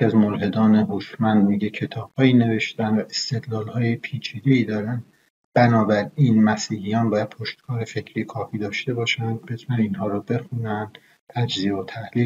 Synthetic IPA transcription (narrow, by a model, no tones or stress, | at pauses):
iæzmoɾɦe̞d̪ɒːne̞ɦoʃmænd̪miːɟecʰe̞t̪ʰɒːb̥hɒːiːne̞ve̞ʃt̪æænd̪væʔest̪e̞d̪lɒːlhɒːjepʰiːt͡ʃʰiːd̪e̞iːd̪ɒːɾænd̪ | b̥ænɒːbæɾiːnmæsiːhijɒːnbɒːjæd̪̚pʰo̞ʃt̪̚kʰɒːɾefe̞cʰɾiːkʰɒːfiːd̪ɒːʃt̪e̞bɒːʃænd̪bet̪ʰunæninɦɒːɾɔbe̞xunænd̪ | t̪ʰæd͡ʒzieot̪ʰæhliː